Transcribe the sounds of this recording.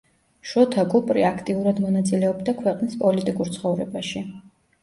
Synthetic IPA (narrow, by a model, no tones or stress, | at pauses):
ʃɔt̪ʰaɡupʼɾiakʰt̪ʼiuɾad̪mɔnat̪sʼilɛɔbd̪akʰwɛqʼnispʼɔlit̪ʼikʼuɾt̪sχɔvɾɛbaʃi